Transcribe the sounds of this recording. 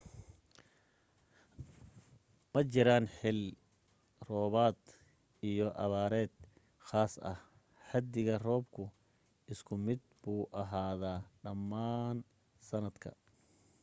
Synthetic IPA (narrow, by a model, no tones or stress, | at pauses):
mɐt͡ʃɪɾaːnħɪl | rɔːβaːd̪ | ijɔʔɐβaːɾɛːd̪ | χaːsɐ̰h | ħɐd̪ɪɣɐrɔːbkʰʊ | ʔɪskʰʊmɪd̪̚buːʔɐɦaːðaːɖɐmːaːn | sɐnɐd̪kʰɐ̰